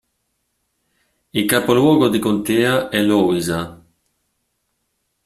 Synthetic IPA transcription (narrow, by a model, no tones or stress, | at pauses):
ilkapolwɔːɡod̪ikont̪eːaɛloiza